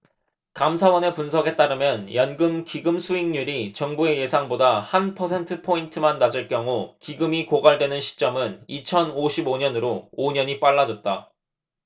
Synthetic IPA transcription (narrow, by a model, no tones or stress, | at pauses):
kamsʰawʌne̞punsʰʌɡe̞t͈aɾɯmjʌnjʌnɡɯmkiɡɯmsʰuiŋɲuɾit͡ɕʌŋbue̞je̞sʰaŋbodahanpʰʌsʰe̞ntʰɯpʰointʰɯmanːad͡ʑɯɭkjʌŋukiɡɯmikoɡaɭdwe̞nɯnɕʰi̥t͡ɕ͈ʌmɯnit͡ɕʰʌnoɕʰiboɲʌnɯɾooɲʌɲip͈aɭːad͡ʑʌt̚t͈a